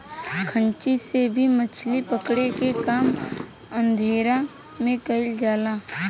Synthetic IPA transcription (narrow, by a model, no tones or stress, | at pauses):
kʰə̃nt͡ʃisebʱimət͡ʃʰlipəkɽekekaːm | ə̃nd̪ʱeːɾa | mẽkɐɪld͡ʒaːlaː